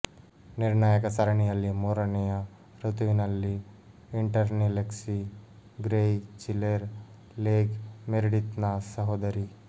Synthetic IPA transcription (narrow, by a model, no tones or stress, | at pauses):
niɾnajəkɐsɐɾɐɳijɐlːimoːɾɐnija | ɾut̪ʋinɐlːi | ɪɳʈɐɾnileksiɡɾejt͡ʃileɾ | leːɡmeɾɽit̪nasɐɦoːd̪ɐɾi